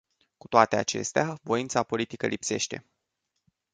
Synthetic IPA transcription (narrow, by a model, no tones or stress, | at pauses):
ku̥t̪oat̪e̞at͡ʃe̞̰st̪eavo̞int̪sapo̞lit̪ikəlipse̞̰ʃt̪e̞̰